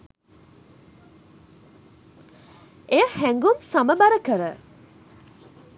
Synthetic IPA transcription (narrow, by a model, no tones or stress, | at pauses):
ejəhæŋɡumsaməbaɾəkəɾə